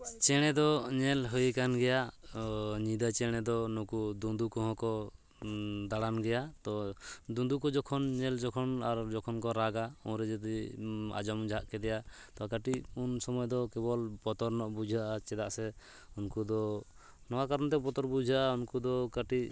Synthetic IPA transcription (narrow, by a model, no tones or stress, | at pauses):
t͡ʃɛɽ̃ɛd̪ɔɲɛlɦɔjkanɡɛja | ɲid̪at͡ʃɛɽ̃ɛd̪ɔnɔkud̪und̪ukɔ̃ɦɔ̃kɔ | d̪aɽanɡɛjat̪ɔd̪und̪ukɔd͡ʒɔkʰɔnɲɛld͡ʒɔkʰɔnaɾd͡ʒɔkʰɔnkɔɾaɡaɔɾɛd͡ʒad̪ia̰d͡ʒɔmd͡ʒʱaʔkɛd̪ɛjat̪ɔakaʈiunsɔmɔjɔd̪ɔkɛβɔlpɔt̪ɔɾnɔʔbud͡ʒʱaʔat͡ʃɛd̪aʔsɛ | unkud̪ɔ | nɔwakaɾɔnt̪ɛpɔt̪ɔɾbud͡ʒʱaʔaunkud̪ɔkaʈiʔ